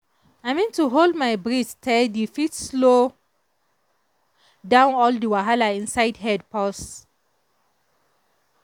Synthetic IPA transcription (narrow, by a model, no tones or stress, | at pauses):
aɪmĩntuɦoldmaɪbɹistʰɛldifitslo | dãʊ̃nɔldiwaɦalaĩnsaɪdɦɛd̚pɔs